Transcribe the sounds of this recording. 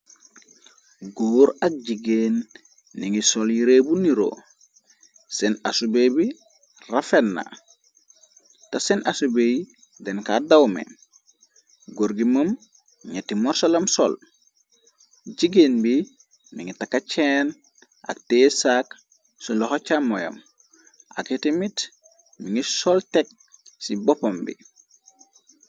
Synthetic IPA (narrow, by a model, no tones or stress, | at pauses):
ɡoːɾak̚ɟiɡenː | iŋisoljiɾebuniɾo̰ | sena̰subebi | rafenːa̰ | tasenasubej | denkadawmḛ | ɡoɾɡiməm | ɲetːimɔɾsolɐmso̰l | ɟiɡenbi | miŋitakːat͡ʃen | a̰k̚tesak | sulɔhot͡ʃamːojo̰m | ʔa̰ketimit | miŋisoltek̚ | sibopombḭ